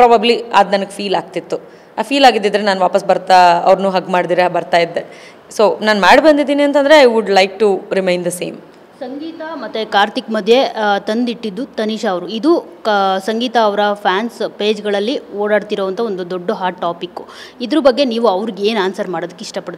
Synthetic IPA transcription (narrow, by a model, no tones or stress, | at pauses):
pɾaːbɐblia̰ːd̪nɐnɐɡefiːlaːɡ̚t̪it̪ːu | afʰiːlaːɡid̪ːid̪ɐɾenaːnʋaːpɐsbɐɾt̪aɐ̰ʋɾnuːɦɐɡmaːɽd̪iːɾebɐɾt̪aːjid̪ːe | soːnaːnmaːɽbɐnd̪id̪iːniɐnt̪ɐnd̪ɾeɐjʋuɖlɐjk̚ʈuɾimɐjnd̪ɐsḛːm | sɐŋɡiːt̪ɐmɐt̪ːekaːɾt̪ikmɐd̪ʱje̞t̪ɐnd̪iʈːid̪ːut̪ɐniʃɐːʋɐɾuid̪u | sɐŋɡiːt̪ɐːʋɐɾɐpʰjaːnspe̞ːd͡ʒɡɐɭɐlːioːɽaːɽt̪iɾoːʋɐnt̪ʰɐo̞nd̪ud̪oɖːɐɦaːʈʈːaːpikːu | id̪ɾubɐɡːeniːʋuɐʋɾiɡeeːnaːnsɐɾmaːɽod̪ɐkːeiʂʈɐpɐɽt̪ː